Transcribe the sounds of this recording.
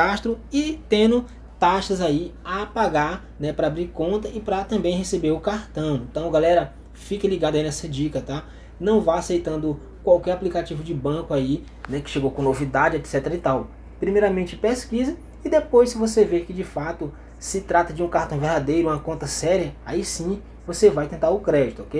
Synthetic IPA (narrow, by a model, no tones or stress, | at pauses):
aʃt̪ɾʊɪt̪ẽd̪ʊ | t̪aʃɐzaiapaɡaɾ | nɛpɾɐabɾiɾkõnt̪ɐɪpɾɐt̪ɐ̃mbẽj̃ɦesebeɾʊkaɾt̪ɐ̃w̃ẽnt̪ɐ̃w̃ɡalɛɾɐ | fikɪliɡad̪ʊɐinɛsɐd͡ʒikɐt̪a | nɐ̃w̃vajasejt̪ɐ̃nd̪ʊ | kwawkɛɾaplikat͡ʃivʊd͡ʒɪbɐ̃kʊai | nɛkɪ̥ʃeɡowkõnovid̪ad͡ʒɪɛt̪sɛt̪eɾɐit̪aw | pɾimejɾɐmẽt͡ʃɪpeskizɐ | ɪd̪epojssɪvoseveɾkɪd͡ʒɪfat̪ʊ | sɪt̪ɾat̪ɐd͡ʒɪũkaɾt̪ɐ̃w̃veɾd̪ad̪ejɾʊũmɐkõnt̪ɐsɛɾiɐaisĩ | vosevajt̪ẽnt̪aɾʊkɾɛd͡ʒɪt̪ʊɔkej